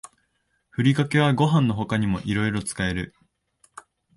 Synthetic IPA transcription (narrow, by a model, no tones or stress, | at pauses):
ɸɯ̟ɾʲikake̞β̞aɡo̞ɦãnːo̞ɦo̞kaɲ̟imo̞̰ʔiɾo̞iɾo̞t͡sɨ̥kae̞ɾɯ̟